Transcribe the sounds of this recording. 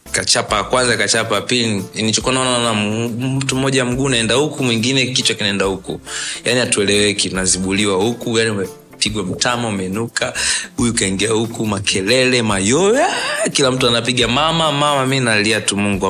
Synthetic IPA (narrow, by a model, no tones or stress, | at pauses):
kat͡ʃapakwanzakat͡ʃapapiliniit͡ʃɔkuanaɔnananam̩tum̩ːɔʄam̩ɡuːnaɛndahukumwiŋɡinɛkit͡ʃwakinaɛndahukṵjaniatuɛlɛwɛkiunaziɓuliwahukujaniumɛ | piɡwam̩tamaumɛnukahujukaiŋɡiahukumakʰɛlɛlɛmajɔjakilam̩tuanapiɠamamamamaminaliatumuŋɡua